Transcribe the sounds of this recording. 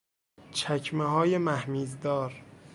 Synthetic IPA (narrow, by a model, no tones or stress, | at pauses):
t͡ʃʰæcʰmeɦɒːjemæhmiːzd̪ɒːɾ